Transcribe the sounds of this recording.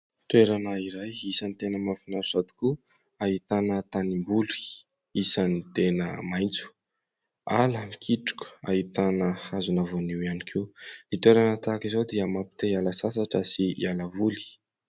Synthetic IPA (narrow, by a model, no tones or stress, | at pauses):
t̪weɾanaiɾajisənit̪enəmafinaɾsad̪i̥ku | aɦit̪anət̪animbuli̥ | isanit̪enəmajnt͡su̥ | aləmikʰiʈ͡ʂu̥kʲə̥aɦit̪anəhazunavoniwianikʰenit̪weɾanət̪akizod̪iəmapi̥t̪ealasasaʈ͡ʂəsialavuli̥